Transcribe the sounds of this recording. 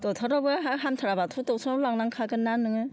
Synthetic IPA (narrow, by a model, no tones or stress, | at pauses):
tɔtʰaɾɔbɯɦaɦamtʰaɾabatʰutɔwtʰɔɾɔblaŋnaŋkʰaɡɯnanːɯŋɯ